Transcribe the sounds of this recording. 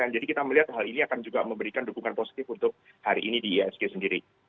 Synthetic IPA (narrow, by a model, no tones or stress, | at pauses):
and͡ʒadikit̪aməliɦat̪ɦaliniakand͡ʒuɡaməmbəɾikandukuŋanposi̥t̪ɪfunt̪ʊk̚ | haɾiʔːnidiɛskesəndiɾi